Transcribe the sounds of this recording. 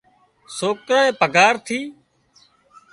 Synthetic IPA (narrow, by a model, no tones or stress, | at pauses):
soːkɾãːẽːpəɡaːɾt̪ʰiː